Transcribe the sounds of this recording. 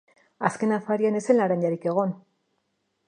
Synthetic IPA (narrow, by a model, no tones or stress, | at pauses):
aske̞nafaɾiane̞senlaɾaɲaɾike̞ɣ̞o̞n